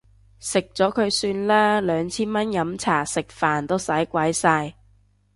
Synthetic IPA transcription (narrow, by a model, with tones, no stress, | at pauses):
sɪ˨k̚t͡sɔː˨˥kʰɵ˨˧ɥsyː˧nlaː˥lœː˨˧ŋt͡sʰiː˥nmɐ˥njɐ˨˥mt͡sʰaː˨˩sɪ˨k̚faː˨˩nt̪o˥sɐ˨˥jkʷɐ˨˥jsaː˧j